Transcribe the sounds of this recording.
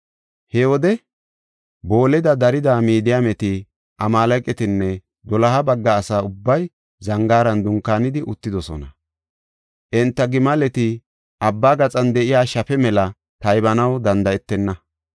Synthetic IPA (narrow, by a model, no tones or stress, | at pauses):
hɛwɔd̪ɛ | bo̞ːlɛd̪ɐd̪ɐɾɪd̪aːmiːd̪ɪjaːmɛt̪ɪ | ʔɐmaːlɐjkʼːɛt̪ɪnːɛ | d̪ɔlɐhɐbɐɡːɐːsaːʊbːɐj | zɐŋɡaːɾɐnd̪ʊŋkːaːnɪd̪ɪʔʊt̪ːɪd̪ɔsɔ̰nɐ | ʔɪnt̪ːɐɡɪmɐlɛt̪ɪ | ʔɐbːaːɡɐt͡sʼɐnd̪ɛʔɪjaːʃɐfɛmɛlɐ | t̪ɐjbɐnɐwd̪ɐnd̪ɐɛt̪ːɛnːɐ